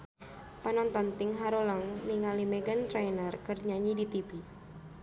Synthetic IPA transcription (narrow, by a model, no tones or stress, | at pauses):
panɔnt̪ɔnt̪ɪŋɦaɾoləŋniŋalimeɡant̪ɾajnərkərɲaɲidit̪ibi